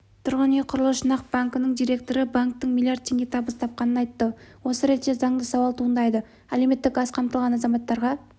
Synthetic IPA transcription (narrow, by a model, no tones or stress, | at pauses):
t̪ʰʊɾʁəneqʰʊɾəlˠəʃənɑq̚b̥aŋkənəɴd̪ijɾe̞k̚t̪o̞ɾəbaŋk̚t̪əɴmʲilˠijardt̪̚tʰʲːe̞ŋʲɡʲe̞t̪ʰɑbəst̪ʰɑp̚qɑnənɑjt̪ːəwo̞səɾe̞t̪ːʃe̞zɑɴd̪əsɑwɑlˠt̪ʰuənd̪ɑjd̪ə | ælewme̞t̪ːɪkɡɑsqʰɑmt̪əlˠʁɑnɑzɑmɑt̪ːɑɾʁɑ